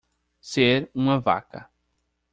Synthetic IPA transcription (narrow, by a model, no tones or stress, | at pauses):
seɾũmɐva̰kɐ̰